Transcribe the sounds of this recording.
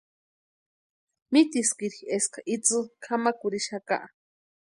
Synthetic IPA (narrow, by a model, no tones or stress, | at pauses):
mit̪iskiɾxieskʰaʔit͡sɨkʰamakuɾiʃaka̰ʔa